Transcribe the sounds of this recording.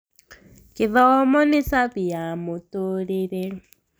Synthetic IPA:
kɪðɔmɔnisaβijamotoɾeɾe

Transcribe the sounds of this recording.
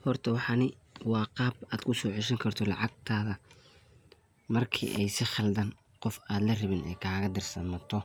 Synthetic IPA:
hɔrt̪ʰɐwɑħɑnɪwɑːqɑːbaːd̪kʰʊsɔːʕɪʃɐŋkʰɐrt̪ʰɔlɑ̰ʕɑɡ̚t̪ʰaːðɐ | mɐrkʰḭːʔɛjsɪχɑld̪ɐn | qɔfaːd̪lɐrɪβɪnɛ̰ːkʰaːɣɐd̪ɪrsɐmɐt̪ʰɔ

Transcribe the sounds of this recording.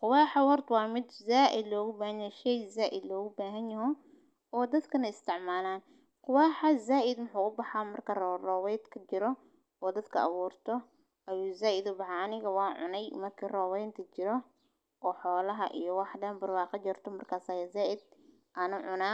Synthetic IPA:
qʊwaːħɑwɐrd̪wɑːmɪd̪zaːʔɪd̪lɔːɣʊbaːhɐnjɐʃɛjzaːʔɪd̪lɔːɣʊbaːɦɐnjɐɦɔ | ɔːd̪ɐd̪kʰɐnɐɪst̪ʰɪʕmaːlaːn | qʊwaːħazaːʔɪd̪mʊħuːʊbɑħaːmɐrkʰɐrrɔːwɛjd̪kʰɐt͡ʃɪɾɔ | ɔːd̪ɐd̪kʰɐʔɐ̰βuːrt̪ʰɔ | ʔɐjuːzaːʔɪd̪ʊbɑħaɐnɪɣɐwɑːnʕʊ̰nɛjmɐrkʰiːrɔːwɛjnt̪ʰɐt͡ʃɪɾɔ | ʔɔːħɔːlɐɦɐʔḭjɔwɑħɖɐnbɐrwɑːqɑt͡ʃɔrt̪ʰɔmɐrkʰaːsaːjɐzaːʔɪd̪̚ | ʔɐnʊʕʊnaː

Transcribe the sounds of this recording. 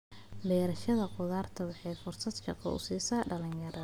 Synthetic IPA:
bɛːɾɐʃɐðɐqʊðaːrt̪ʰɐwɑħɑjfʊrsɐd̪kʰɐ̰qɑ̰wsiːsɐːɖɐlɪnjɐɾɐ

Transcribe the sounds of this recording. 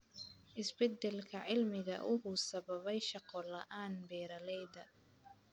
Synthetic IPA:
ʔɪsbɛd̪ɛlkʰɐʕɪlmɪɣɐ̰ʔʊɦʊsɐβɐβɛjʃɑqɔlɐʔaːnbɛːɾɐlɛjd̪ɐ

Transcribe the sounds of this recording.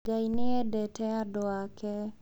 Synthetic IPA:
ɡajnɪɛdɛtɛadɔakʰɛ

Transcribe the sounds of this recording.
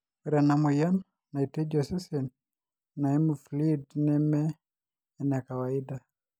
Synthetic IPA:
ɛɾanamɔjan | naitɛd͡ʒɔsɛsɛn | naɛmuflidnɛmɛː | nakawaida

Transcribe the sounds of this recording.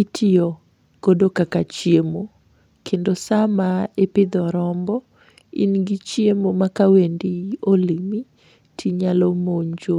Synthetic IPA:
itʰiɔ | ɡ̥odokakat͡ʃiemo | kʰendosamaepɪd̪ɔɾɔmbɔ | ḭnɡit͡ʃjemomakawendiolimi | tʰiɲalomoɲd͡ʒo

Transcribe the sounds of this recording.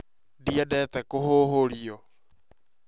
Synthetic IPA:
diadɛːt̪ɛkoɦoɦolio

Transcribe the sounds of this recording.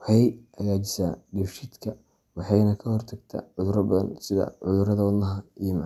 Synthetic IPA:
whɛjɐjaːt͡ʃɪ̥saɖifʃɪd̪kʰɐ | wɑħɑjnɐkʰɐhɔrt̪ʰɐɡt̪ʰɐ̰ʕʊðʊɾɐbɐðɐ̰nsɪðɐ̰ʕʊðʊɾɐðɐwɑd̪nɐɦɐijɞmɑʕ

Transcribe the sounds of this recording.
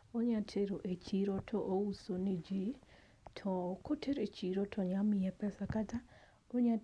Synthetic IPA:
oɲatʰeɾoʔet͡ʃiɾɔtʰɔʔousonid͡ʒi | tʰɔkotʰeɾet͡ʃiɾɔtʰɔɲamɪɛpɛsakata | oɲa

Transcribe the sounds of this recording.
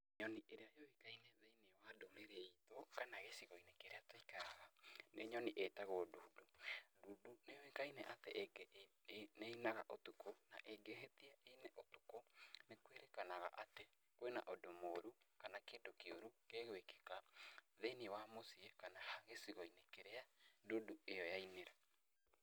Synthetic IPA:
ɲɔniʔeɾeajowikaineðeinewadomeɾeitokanaɣesiɣoinekeɾeatoikaaɣaneɲɔniʔetaɣoduːduduːdunewekainɛʔatɛʔɡ | neinaɣaʔotukona̰ʔeɡeɦetiaeneʔotu̥konekweɾekanaɣa̰ʔate | kwena̰ʔodomoɾukanakeːdokeoɾukeɣweke̥kaðeniwamosiekanahaɣesiɣoinekeɾeadoduejɔjaineɾa

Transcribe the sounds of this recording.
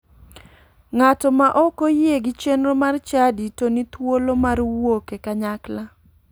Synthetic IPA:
ŋatɔmaʔɔkojeɡɪt͡ʃenɾomart͡ʃaditonit̪wolomarwokekaɲakla

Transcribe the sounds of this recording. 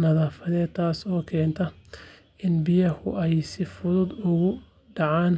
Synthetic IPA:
nɐðaːfɐðɛːd̪t̪ʰaːsɔːkʰɛːnt̪ʰɐ | ɪnbɪjɐhʊʔɛjsɪfʊðʊd̪ʊɣʊ | ɖɑʕaːn

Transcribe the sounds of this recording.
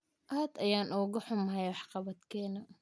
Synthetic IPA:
ʔaːd̪ɐjaːnʔɔːɣɐħʊmɦɛjwɑħqɑβɐd̪kʰɛːnɐ

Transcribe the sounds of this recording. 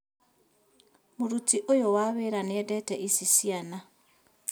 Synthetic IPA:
moɾutiʔojowaːβeɾaneɛdɛtɛʔisisiana

